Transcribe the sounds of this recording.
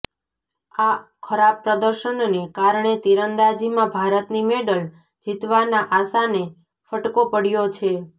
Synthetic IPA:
akʰəɾab̚pːɾəd̪əɾʃənnekaɾɳet̪iɾənd̪ad͡ʒimãbʱaɾət̪nimeɖəl | d͡ʒit̪ʋanaʔasane | fəʈkopəɽjot͡ʃʰe

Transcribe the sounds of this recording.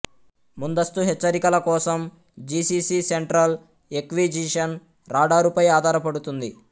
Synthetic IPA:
mund̪ɐst̪uɦɛt͡ʃːɐɾikɐlɐkɔːsɐm | d͡ʒiːsiːsiseɳʈɾɐl | ekʋiːd͡ʒiʂɐn | ɾaːɖaːɾupɐjaːd̪ʱaːɾɐpɐɽut̪und̪i

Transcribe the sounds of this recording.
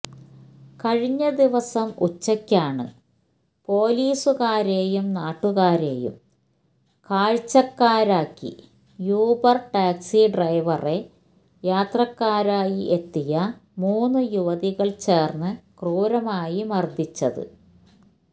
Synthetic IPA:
kɐɻiɲːɐd̪iʋɐsɐmut͡ɕːɐkʲːaːɳɨ̰ | po̞ːliːsuɣaːɾeːjumnaːʈːuɣaːɾeːjṵm | kaːɻt͡ɕːɐkːaːɾaːkːḭ | juːbɐrʈaːksiɖrɐjʋɐre̞ | jaːt̪rɐkːaːɾaːjiʔet̪ːijɐmuːnːɨjuʋɐðiɣɐɭt͡ɕe̞ːrnːɨkruːɾɐmaːjimɐrd̪ʱit͡ɕːɐðɨ̰

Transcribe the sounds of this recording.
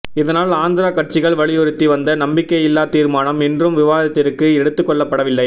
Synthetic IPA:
ɪðɐnaːlaːnd̪ɪɾaːkɐʈ̚t͡ʃɪɣɐɭʋɐɭɪjɔɾɪt̪ːiʋɐnd̪ɐnɐmbɪkːɐjɪlːaːt̪iːɾmaːnɐmɛndrɯmʋɪʋaːðɐt̪ːɪɾɯkːɯɛɽɯt̪ːɯkːɔɭːɐpːɐɽɐʋɪlːɐɪ

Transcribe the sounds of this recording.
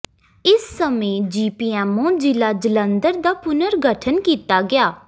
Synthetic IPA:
ɪsːəmẽːd͡ʒiːpiːɛːmõːd͡ʒɪlaːd͡ʒələ̃nd̪əɾd̪aːpʊnəɾɡʱəʈʰənkiːt̪aːɡɪjaː

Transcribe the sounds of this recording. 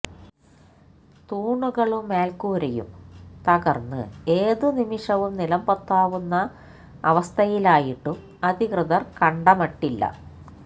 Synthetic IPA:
t̪uːɳuɣɐɭumːe̞ːlkuːɾɐjṵmt̪ɐɣɐrnːɨ̰eːðunimiʂɐʋumnilɐmbɐt̪ːaːʋunːɐː | ʋɐst̪ʰɐjilaːjiʈːum | ɐd̪ʱikrɨðɐrkɐɳɖɐmɐʈːilːɐ̰

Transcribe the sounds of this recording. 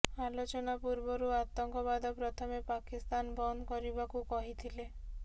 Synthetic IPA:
alot͡ʃɔnapuɾbɔɾuat̪ɔŋkɔbad̪ɔpɾɔt̪ʰɔmepakist̪anbɔnkɔɾibakukɔɦit̪ʰile

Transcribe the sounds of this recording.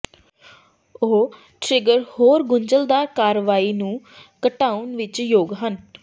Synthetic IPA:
oː | ʈɾɪɡəɾhoːɾɡʊɲd͡ʒəld̪aːɾkaːɾʋaːiːnũː | kəʈaːʊnʋɪt͡ʃjoːɡɦən

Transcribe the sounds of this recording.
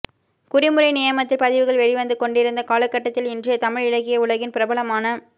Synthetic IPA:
kʊɾɪmɯɾɐɪnɪjɐmɐt̪ːɪlpɐðɪʋɯɣɐɭʋɛɻɪʋɐnd̪ɯkɔɳɖɪɾɯnd̪ɐkaːlɐkːɐʈːɐt̪ːɪlɪndrɪjɐt̪ɐmɪɻɪɻɐɣɪjɐʊɭɐɣɪnpɪɾɐbɐɭɐmaːnɐ

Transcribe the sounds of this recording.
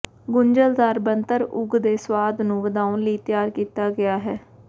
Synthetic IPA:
ɡʊɲd͡ʒəld̪aːɾbənt̪əɾʊɡd̪eːswaːd̪nũːʋəd̪aːʊnləiːt̪ɪjaːɾkiːt̪aːɡɪaːɦɛː

